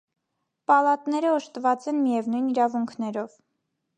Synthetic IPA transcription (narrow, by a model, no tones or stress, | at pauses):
pɑlɑt̪nɛɾəɔʃt̪əvɑt͡sɛnmijɛvnujniɾɑvuŋkʰnɛɾɔv